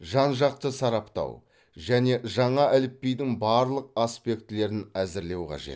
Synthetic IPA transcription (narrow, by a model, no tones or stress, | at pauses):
ʒɑnʒɑq̚t̪əsɑɾɑpt̪ɑ̰w | ʒæne̞ʒɑɴɑʔælɪp̚ːejd̪ɪŋbɑɾlˠəq̚aspe̞kt̪ɪle̞ɾɪnæzɪɾle̞wqʰɑ̰ʒe̞̰t̪